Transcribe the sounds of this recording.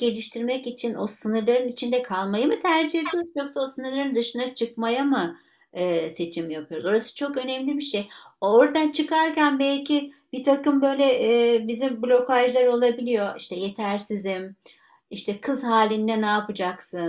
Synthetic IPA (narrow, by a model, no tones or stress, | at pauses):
ɟ̥e̞lʲiʃt̪ʰiɾmɛcit͡ʃʰino̞sɯnɯɾlˠaɾɯnit͡ʃʰind̪ɛkʰalˠmajɯmɯt̪ʰæɾd͡ʒihe̞d̪ʰijo̞ɾuzok̚t̪ʰao̞sɯnɯɾlˠaɾɯnd̪ɯʃɯnd̪at͡ʃʰɯkmajamɯ | ɯːse̞t͡ʃʰimjapʰɯjo̞ɾuzoɾasɯ̥t͡ʃʰo̞kø̞nɛmlʲibiʃejooɾd̪ant͡ʃʰɯkaɾcænbɛlʲcʰib̥it̪ʰakɯmbø̞jlʲɛʔːbizimblʲo̞kaʒlˠaɾo̞lˠabilʲijo̞ʔiʃt̪ʰɛje̞t̪ʰæɾsizim | iʃt̪ʰɛkʰɯzhaːlʲind̪ɛnaːpɯd͡ʒaksɯn